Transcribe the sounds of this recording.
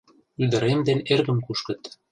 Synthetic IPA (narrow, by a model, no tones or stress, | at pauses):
yd̪ə̆ɾemd̪enerɣə̆mkuʃkə̆t̪